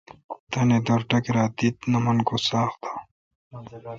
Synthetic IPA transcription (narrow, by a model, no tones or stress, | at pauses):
t̪ɐned̪oɾʈɐkeɾaːd̪it̪nɐmɐnkosaːxt̪ḁː